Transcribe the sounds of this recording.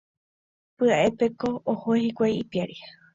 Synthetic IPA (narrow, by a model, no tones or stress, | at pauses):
pɨaʔe̞pe̞ko̞ːhoehikʷajipjaɾi